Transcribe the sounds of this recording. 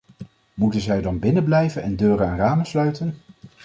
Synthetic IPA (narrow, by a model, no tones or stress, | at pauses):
mutənzɛjdɑnbɪnəblɛjvənɛndøːrənaːnraːmənslœɥtən